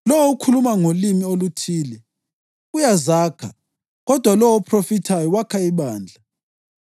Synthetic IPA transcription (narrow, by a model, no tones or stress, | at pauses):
lɔwoukʰulumaŋolimiolutʰiːlɛ | ujazaːkʰa̰ | ɣɔd̥ʱwalɔwoupʰrofitʰajɔwakʰaiβaːnd͡ɮʱa